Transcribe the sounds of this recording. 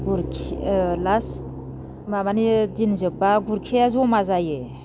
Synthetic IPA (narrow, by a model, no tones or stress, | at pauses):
ɡuɾkʰlas | mamanidinzɯbaɡuɾkʰijazomazaje